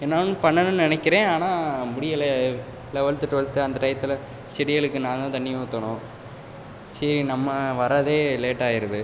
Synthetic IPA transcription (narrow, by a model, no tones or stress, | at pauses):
ɛnːaːnɯpɐɳːɐnɯnɪnɛkːɪɾẽːaːnaːmʊɽɪjɐle | lɛʋɐɭt̪ːɯʈːʋɐɭt̪ːɯɐnd̪ɐʈɐɪjt̪ːɪlɐ | t͡ʃɪɾɪjɐɭɯkːɯnãːd̪ãːt̪ɐɳːɪjɐ̃ʊt̪ːɐɳʊ̃ː | sɐɾinɐmːɐʋɐɾaːðeːleːʈːaːjɪɾɯðɯ